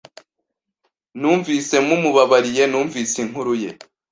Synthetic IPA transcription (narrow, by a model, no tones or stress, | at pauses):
nuːɱviːse̞mumuβaβaɾije̞nuːɱviːsiŋɦuɾuje